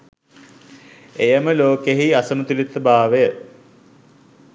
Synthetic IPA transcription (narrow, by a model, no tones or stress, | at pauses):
ejəməloːkeɦiasəmət̪ulit̪ːəbaːʋəjə